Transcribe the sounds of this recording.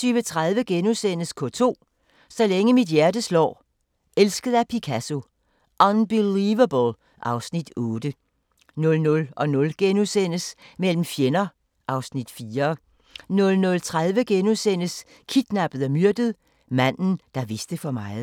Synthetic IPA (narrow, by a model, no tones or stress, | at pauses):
yːʋət͡sʰʁað̞ˠʋəɡ̥enusen̰əskʰɔ̽t͡sʰo̝̰ː | sɒ̽leŋəmid̥jæɐd̥əslɒ̰ː | elsɡ̥əð̞̩ˠæpʰikʰæso̝ | ʔɒnb̥iliʋɐbəl | ʔɑ̈ʊsnid̥ɔ̽ːd̥ə | nɔ̽lnɔ̽lʔɒ̽nɔ̽lɡ̥enusen̰əsmel̰m̩fjenɐ | ʔɑ̈ʊsnid̥fiːɐ | nɔ̽lnɔ̽lt͡sʰʁað̞ˠʋəɡ̥enusen̰əs | kʰid̥næb̥əð̩ˠæmyɐ̰d̥əð̞̩ˠ | mæn̰n̩d̥ɑ̈ʋe̝sd̥əfɒ̽mɑ̈ɪð̩ˠ